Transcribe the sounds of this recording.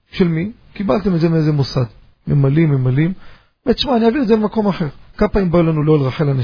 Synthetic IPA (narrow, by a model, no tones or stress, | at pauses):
ʃelmi | kibalt̪emet̪zemeeze̞mosad̪ | memalimːemalim | metʃmaːniaviʁdzeemako̞maħe̞ʁkapaimbaulanuloelʁaħelana